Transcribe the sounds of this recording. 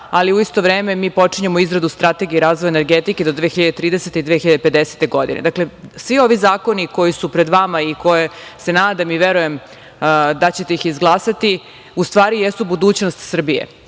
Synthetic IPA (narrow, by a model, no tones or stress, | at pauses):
aliuist̪o̞ʋɾeːme̞miːpo̞t͡ʂiɲemoizɾad̪ust̪ɾat̪e̞ɡiɾaːzvʋojeneɾɡet̪iked̪od̪ʋeːxiʎad̪et̪ɾiːd̪eset̪eid̪ʋeːxiʎad̪epe̞d̪ese̥t̪e̞ɡo̞d̪ḭned̪akle̞sʋio̞ʋizaːko̞niko̞jisupɾed̪ʋamaiko̞jese̞naːd̪amiʋeɾuje̞m | d̪at͡ɕet̪e̞ixizɡlˠaːsat̪i | ust̪ʋaːɾijesubud̪uːt͡ɕnost̪sr̩bijḛ